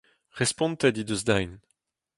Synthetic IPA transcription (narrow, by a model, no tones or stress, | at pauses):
ʁɛspɔ̃nt̪ad̪id̪øzd̪ajn